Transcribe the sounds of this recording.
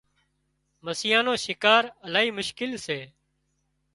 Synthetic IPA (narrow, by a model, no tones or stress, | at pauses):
məsɪjãːnõːʃɪkaːɾəlaːɦiːmʊʃkɪlseː